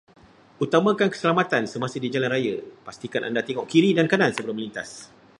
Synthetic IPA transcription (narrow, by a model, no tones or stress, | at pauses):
ut̪amãkankə̥səlamat̪ansəmãsɪdid͡ʒalanrajəpast̪ikanʔa̰ndat̪eŋɔʔkiɾidankanansəbəlʊməlint̪a̰s